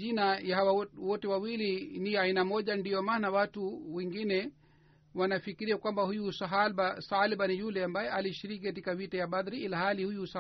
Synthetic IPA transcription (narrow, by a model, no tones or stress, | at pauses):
inajahawawɔtɛwawiliniainamɔʄandiɔmaːnawatuwɛŋɡinɛ | wanafikiɾiakwambahujusabasaliɓanijulɛambajɛaliʃiɾikikat̬ikavitajaɓad̪ɾiilahalihujusa